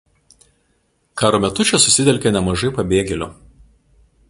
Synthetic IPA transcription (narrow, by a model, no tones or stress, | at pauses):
kɑːɾoːmʲɛt̪ʊt͡ʃʲɛsʊsʲɪt̪ʲɛlʲkʲenʲɛmɐʒɐɪpɐbʲeːɡʲɛlʲʊ̰ˑ